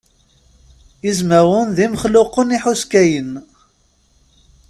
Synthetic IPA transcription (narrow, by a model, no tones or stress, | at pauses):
izmæwənðiməχlʊqəniħuskæjən